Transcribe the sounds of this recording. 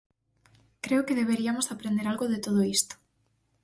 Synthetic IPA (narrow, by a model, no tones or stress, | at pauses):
kɾeʊkeðeβeɾiamosapɾend̪eɾalɣoðɪt̪oð̞oist̪o̥